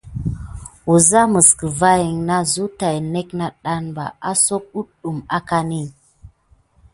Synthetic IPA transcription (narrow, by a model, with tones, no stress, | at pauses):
u˨za˦mə˨skə˨va˦ji˨ŋna˦zu˦ta˨jne˦kna˦ɗa˦nba̰˨a˦so˦k̚u˦ɗu˨ma˦ka˦ni˦